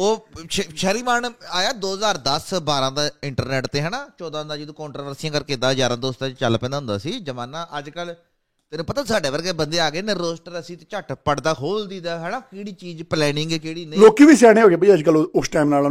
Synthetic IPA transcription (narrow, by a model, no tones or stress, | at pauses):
oːʃʃəɾiːmaːnaːjaːd̪oːɦəzaːɾd̪əsbaːɾãːd̪aːɪɳʈəɾnɛːʈt̪eːɦɛːnaːt͡ʃɔːd̪ãːd̪aːd͡ʒɪd̪ũːkɔ̃ːɳʈɾoːʋəɾsijãːkəɾkeːd̪aːd͡ʒaːɾãːd̪oːst̪aːt͡ʃəlːpɛ̃ːnd̪aːɦʊnd̪aːsiːd͡ʒəmaːnaːʔəd͡ʒkəl | t̪eːnũːpət̪aːsaːɖeːʋəɾɡeːbənd̪eːaːɡeːneːɾoːsʈəɾəsiːt̪et͡ʃəʈpəɽd̪aːɦoːld̪iːd̪aːɦɛːnaːkeːɽiːt͡ʃiːd͡ʒplɛːnɪŋɡɛkeːɽiːnẽloːkiːʋiːsɛːɽ̃ẽːɦoːɡeːbəiəd͡ʒkəlʊsʈaːimnaːlː